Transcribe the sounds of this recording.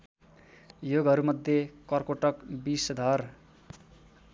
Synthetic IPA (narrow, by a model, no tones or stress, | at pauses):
joɡʱʌɾumʌd̪ʱjekʌrkoʈʌkbisd̪ʱʌr